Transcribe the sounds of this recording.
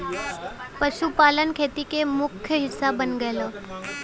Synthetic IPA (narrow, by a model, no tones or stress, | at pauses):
pəʃupaːlənkʰeːt̪ikemʊkʰjəɦɪsːabənɡəelaː